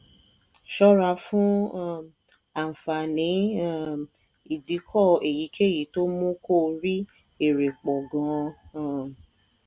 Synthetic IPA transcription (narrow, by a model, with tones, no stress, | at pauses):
ʃɔ˦ɾa˧fũ˦ | a˨fa˨nĩ˨˦˨ | i˦˨di˨˦kʰɔ˦˨e˨ji˨˦kʰe˦˨ji˨˦to˦mũ˦ko˦˨ɾi˦ | e˦˨ɾe˨k͡pɔ˨ɡã˨˧˦